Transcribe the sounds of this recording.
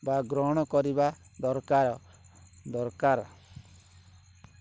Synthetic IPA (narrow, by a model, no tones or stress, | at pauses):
baɡɾɔɽ̃ɔkɔɾibad̪ɔɾkaɾɔ | d̪ɔɾkaɾ